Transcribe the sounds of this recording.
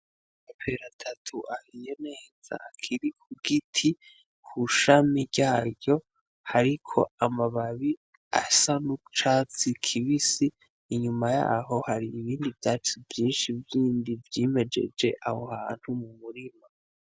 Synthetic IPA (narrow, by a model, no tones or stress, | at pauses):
mapʰeɾatʰatʰuʔahijene̞ːz̥a̰akʰiɾikʰuɡitʰi | kʰuʃamiɾɟaːɟo̞ | haɾikʰo̞̰amaβaβi | a̰sanut͡ʃat͡sikʰiβisiː | ɲumaja̰ɦo̞haɾiːβiːndivjaːt͡ʃuvjiːnʃivjiːndivjime̞d͡ʒe̞̰d͡ʒe̞ʔaho̞̰haːn̥humumuɾima